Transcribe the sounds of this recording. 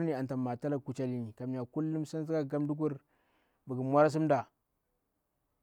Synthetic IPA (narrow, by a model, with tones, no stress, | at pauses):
ni˦a˨n˨ta˨mːa˨ta˦la˦ku˨t͡ʃa˦li˦ni˨ka˨mn˨a˨ku˦lːu˦msa˦n˦zi˦ka˦˨ɡa˦mdu˦k̬u˦ɾ | bə˨ɡə˨mwa˦ɾa˦s̬i˦mda˨